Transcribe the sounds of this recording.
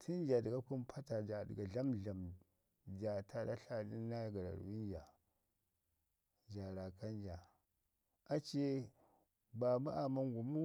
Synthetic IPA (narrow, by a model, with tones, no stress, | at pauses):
tʰi˦n˦d͡ʒa˨di˨ɡa˦ku˦mpʰa˦ta˨d͡ʒa˨di˨ɡa˨ɮa˦mɮa˨m | d͡ʒa˨tʰa˨da̰˦ɬa˦˨di˦a˦ja˨ɡa˨ɾa̰˨ɾ̰wi˦n˦d͡ʒa˨ | d͡ʒa˨ɾa˨ka˦nd͡ʒa˨ | a˦t͡ʃe˦ | ba˨ma˦ʔa˨ma˦ŋɡu˨mu˦